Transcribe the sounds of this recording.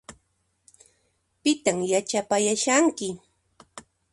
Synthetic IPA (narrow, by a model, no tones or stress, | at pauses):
pɪt̪aŋjat͡ʃapajaʃaŋkɪ